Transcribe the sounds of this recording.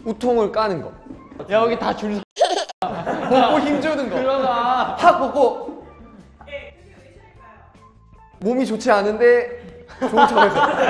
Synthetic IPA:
utʰoŋɯɭk͈anɯnɡʌ | ɡitat͡ɕuɭsʰ | pok͈oçimd͡ʑunɯnɡʌ | pʰak̚pok͈ʰo | momit͡ɕot͡ɕʰeanɯnde̞ | t͡ɕot͡ɕʰʌɡesʰʌ

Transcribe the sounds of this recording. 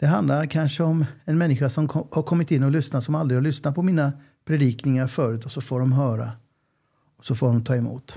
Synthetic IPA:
d̪̥ɛɦand̪laɾkʰanʂəɔmɛnmɛnːɪɧasɔmʰɔhaɾkʰɔmːɪt̪ɪnːɔlʏsnat̪sɔmald̪ɾɪhaɾɭʏsnat̪̚pʰɔmiːna | pʰɾɛd̪iːknɪŋaɾfœːɾʉ̟ːt̪ɔsɔfoːɖɔmɦœːɾa̰ | ɔ̥sɔfoːɖɔmt̪ʰɑːɛmṵːt̪

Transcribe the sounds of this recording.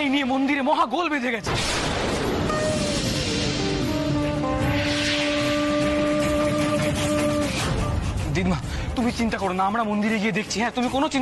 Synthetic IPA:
ejnijemond̪iɾemɔɦaɡolbed̪ʱeɡɛt͡ɕʰe | d̪id̪ma | t̪umit͡ɕint̪akoɾonaamɾamond̪iɾeɡied̪ekʰt͡ɕʰiɦɛ̃t̪umikonot͡ɕin

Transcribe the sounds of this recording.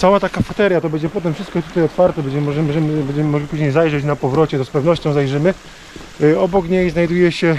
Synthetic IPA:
t̪sawat̪akafat̪ɛɾjat̪ɔbɛɲd͡ʑɛpɔt̪ɛmfʂɨst̪kɔt̪u̥t̪ajɔt̪faɾt̪ɛbɛɲd͡ʑɛmmɔʐɛmʐɛmɘbɛɲd͡ʑɛmɘmɔɡlʲipuʑɲejzajʐɛt͡ɕnapɔvɾɔt͡ɕɛt̪ɔspɛvnɔɕt͡ɕɔ̃w̃zajʐɘmɘ | ɔbɔkɲejznajd̪ujɛɕɛ

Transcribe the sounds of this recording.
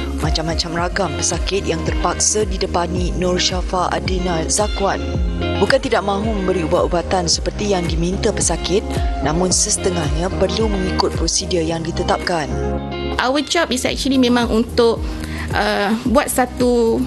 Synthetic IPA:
mãt͡ʃamːãt͡ʃamraɡampəsakɪt̪̚jaŋt̪ərpak̚sadidəpanĩnɔrʃafaʔa̰dinalzakwanbukant̪idaʔ̚mãɦumə̃mbəɾiubaʔ̪ubat̪ansəpərt̪ijaŋdimĩnt̪əpəsakɪt̪̚nãmʊ̃nsəsə̥t̪əŋahɲãpərlumə̃ŋikʊt̪̚pɾosidijaŋdit̪ət̪ap̚kan | ʔawət͡ʃɔp̚isɛ̰k̚t͡ʃulimẽmãŋʔunt̪ʊʔ | əbuat̪̚sat̪u

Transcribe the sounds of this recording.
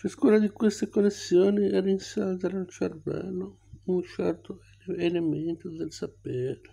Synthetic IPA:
t͡ʃaskuːnad̪ikwest̪ekolːesːjoːniɛrinsalt̪analt͡ʃarva̰ːno | unt͡ʃɛrt̪o | element̪od̪elsapeɛːɾe

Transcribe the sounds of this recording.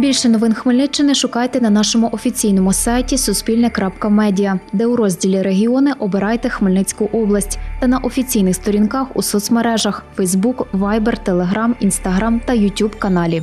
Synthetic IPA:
bʲilʲʃɛnɔʋɪnxmɪlʲnɪt͡ʃːɪnɪʃʊkɑjt̪ɛnɐnɑʃɔmʊʔɔfʲit͡sʲijnɔmʊsɑjtʲisʊspʲilʲnɐkɾɑpkɐmɛdʲijɐd̪ɛʊɾɔzʲdʲilʲiɾeɦʲiɔnɪʔɔbɪɾɑjt̪ɛxmɪlʲnɪt͡sʲkʊʔɔblˠɐsʲtʲt̪ɐnɐʔɔfʲit͡sʲijnɪxst̪ɔɾʲinkɑxusɔt̪smeɾɛʒɐxfɛjzbukʋɑjbert̪elˠeɦɾɑminst̪ɐɦɾɑmt̪ɐjʊtʲubkɐnɑlʲi

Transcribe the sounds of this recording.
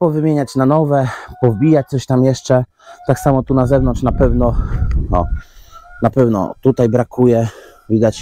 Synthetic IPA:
pɔvɘmʲjeɲat͡ɕnanɔvɛpɔvbʲijat͡ɕ̚t̪sɔɕt̪amjɛʂt͡ʂɛ | t̪aksamɔt̪unazɛvnɔnt͡ʂnapɛvnɔnɔ̰ | napɛvnɔ̰t̪ut̪ajbɾakʰujɛ | vʲid̪at͡ɕ

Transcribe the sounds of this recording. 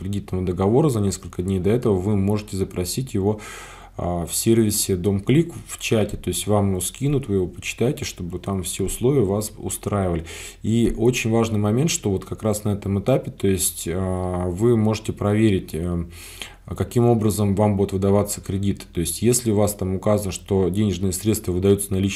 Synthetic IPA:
kɾʲɪdʲit̪nəvəd̪əɡɐvo̞ɾəzɐnʲe̞skəlʲkədʲnʲejd̪ɐɛt̪əvəvɨmo̞ʐɨtʲɪzəpɾɐsʲitʲjɪvo̞ | fsʲe̞rvʲɪsʲɪd̪o̞mklʲikft͡ɕætʲɪt̪o̞ɪsʲtʲvamjɪvoskʲinʊt̪vɨjɪvo̞pə̥t͡ɕɪ̥t̪ajɪtʲɪʂt̪o̞bɨt̪amfsʲe̞ʊslˠo̞vʲɪjəvasʊ̰st̪ɾajɪvəlʲɪ | iot͡ɕɪnʲvaʐnɨjmɐmʲent̪ʂt̪o̞vo̞t̪kɐkɾasnɐɛt̪əmɨt̪apʲɪt̪o̞ɪsʲtʲəvɨmo̞ʐɨtʲɪpɾɐvʲeɾʲɪtʲə | kɐkʲimo̞bɾəzəmvambud̪ʊt̪vɨd̪ɐvat̪sə̥kɾʲɪdʲit̪ɨ̥t̪o̞ɪsʲtʲjesʲlʲɪʊvast̪amʊkazənəʂt̪o̞dʲenʲɪʐnɨjəsɾʲet̪st̪vəvɨd̪ɐjut̪sənɐlʲit͡ɕ

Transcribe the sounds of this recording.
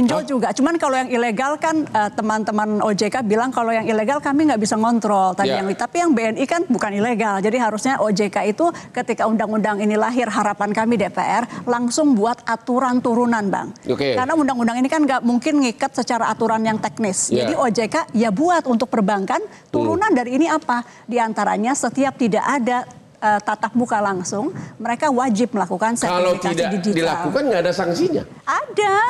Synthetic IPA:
iɲd͡ʒʊld͡ʒuɡat͡ʃumankalojaŋileɡalkanət̪əmant̪əmanod͡ʒekabilaŋkalojaŋileɡalkamiŋɡaʔbisaŋɔnt̪ɾɔlt̪abijaŋit̪apijaŋbeɛnikanbukanileɡald͡ʒadiɦaɾusɲaʔod͡ʒekait̪ukət̪ikaundaŋundaŋinilaɦɪrɦaɾapankamidepḛʔɛrlaŋsʊŋbuat̪̚ʔat̪uɾant̪uɾunanba̰ŋokekaɾənaundaŋundaŋinikanɡaʔmuŋkɪnŋikat̪̚sət͡ʃaɾaat̪uɾanjaŋt̪ɛk̚nɪsd͡ʒadiod͡ʒekajabuat̪unt̪ʊk̚pərbaŋkan | t̪uɾunandaɾiːniapa | diant̪aɾa̰ɲasət̪iap̚t̪ida̰ʔada | ət̪at̪ap̚mukalaŋsʊŋməɾekawad͡ʒɪp̚məlakukansaaloikadadid͡ʒidilaakukanɡaːdasaŋsiɲa̰ | ada

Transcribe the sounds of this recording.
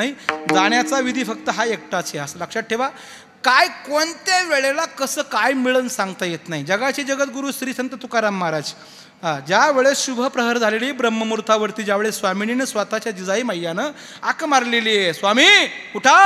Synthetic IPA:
aɦid͡zaɳ̃jat͡saʋid̪ʱiːfəkt̪əɦaek̚ʈat͡seəsələkʂaʈ̚ʈʰeʋa | kajkont̪aʋeɭelakəsəːkajmiɭənsãŋɡt̪ajet̪naɦid͡ʑəɡat͡ɕid͡ʑəɡət̪̚ɡuɾuːsɾiːsənt̪ət̪ukaɾamːaɾad͡z | ɦad͡ʑjaʋeɭeɕubʱəpɾəɦəɾd͡zʱaleliːbɾəmːəmuɾt̪ʰaʋəɾt̪iːd͡ʑjaʋeɭesʋamininesʋat̪at͡ɕjad͡ʑid͡zaiməɦjanə | akmaɾleliːjesʋamiːuʈʰa

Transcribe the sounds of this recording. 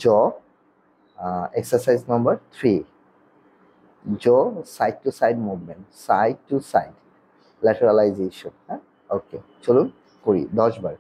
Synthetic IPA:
d͡ʒɔ | eksəsajznambəɹt̪ʰɹi | zɔsajd̚tusajdmuvmẽntsajd̚tːusajd | lɛtʰɛɹalajzeʃɔnhɛ̃ | oke | t͡ʃolun | koɹḭdɔsbaɹ

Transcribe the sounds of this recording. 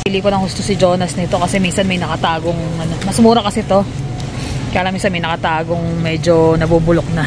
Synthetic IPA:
piliːkonɐŋhʊst̪osɪd͡ʒo̞ːnɐsnɪt̪o̞kɐsɛmiːnsɐnmɐjnɐkɐt̪aːɡoŋʔɐno̞mɐsmuːɾɐkɐsɛt̪o̞ | kɐjaːlɐŋminsɐnmɐjnɐkɐt̪aːɡo̞ŋmɛːd͡ʒo̞nɐbubʊlok̚nɐ

